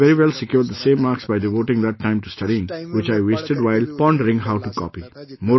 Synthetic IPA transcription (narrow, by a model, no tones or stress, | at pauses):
ɛɾiʋɛlsɪkjuːɾɖ̚d̪əsẽːmːaːɾksbaɪɖɪʋoːʈɪ̃ŋd̪æʈːãɪ̃mʈusʈɐɖiɪ̃ŋʋɪt͡ʃaɪʋeːsʈeɖʋaɪlpɔ̃ɳɖəɾɪ̃ŋɦaʊʈukɔ̰ːpimoː